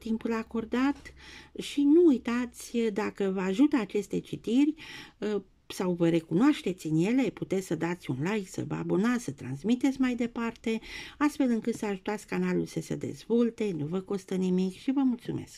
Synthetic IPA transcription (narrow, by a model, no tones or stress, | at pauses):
t̪impulako̞rd̪at̪ʃinuːjt̪at̪sʲd̪akəvəaʒut̪əːt͡ʃe̞st̪e̞t͡ʃit̪irʲə | sawvəɾe̞kunoaʃt̪e̞t̪sʲɨnje̞le̞put̪e̞t̪sʲsəd̪at̪sʲunlajksə̰vəa̰bonasət̪ɾansmit̪et̪sʲmajd̪e̞part̪e̞ast̪fe̞lɨŋkɨt̪səaʒut̪at̪sʲkanalulsəsḛd̪e̞̰zvo̞lt̪e̞nuvəko̞st̪ənimikʃivəmult̪sume̞̰sk